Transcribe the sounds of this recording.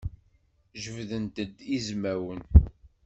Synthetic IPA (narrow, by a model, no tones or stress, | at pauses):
ʒəvðənt̪əd̪izmæwən